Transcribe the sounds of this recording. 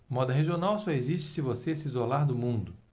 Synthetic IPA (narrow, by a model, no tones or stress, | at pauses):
mɔd̪ɐɦeʒionawsɔeziʃt͡ʃɪ̥sɪvosesɪizolaɾd̪ʊmũnd̪ʊ